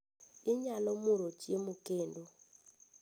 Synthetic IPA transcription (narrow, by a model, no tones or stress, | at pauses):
iɲalɔmuɾɔt͡ʃʼemukeːndu